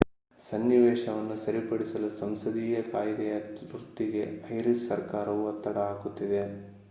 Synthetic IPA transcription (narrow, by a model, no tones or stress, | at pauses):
sɐnːiʋɛːʃɐʋɐnːusɐɾipɐɽisɐlusɐmsɐd̪iːjɐk̪aːjid̪ɛjɐt̪ɾut̪ːiɡe̞ɐjɾissɐɾkaːɾɐʋuɐt̪ːɐɽɐaːɡut̪ːid̪e̞